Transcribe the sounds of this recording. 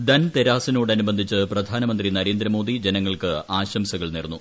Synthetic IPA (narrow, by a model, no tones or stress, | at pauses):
d̪ɐnt̪e̞ɾaːsino̞ːɽɐnubɐnd̪ʱit͡ɕːɨprɐd̪ʱaːnɐmɐnd̪rinɐɾeːnd̪ɾɐmo̞ːd̪id͡ʑe̞nɐŋːɐɭkɨaːɕɐmsɐɣɐɭnirnːu